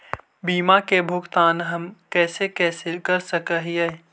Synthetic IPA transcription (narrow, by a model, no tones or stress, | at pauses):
biːmakebʱʊɡt̪aːnɦɐmkɛːsekɛːsɪɾkɐɾsəkəɦiə